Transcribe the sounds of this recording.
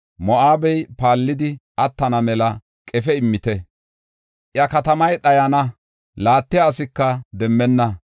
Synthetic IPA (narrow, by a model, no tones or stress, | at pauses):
mɔʔaːbɛjpaːlːɪd̪ɪʔɐt̪ːɐnɐmɛlɐ | kʼɛfɛɪmːɪt̪ɛ | ʔjɐkɐt̪ɐmɐjɗɐjɐnɐ | laːt̪ːɪjaːsɪkːɐd̪ɛmːɛnːɐ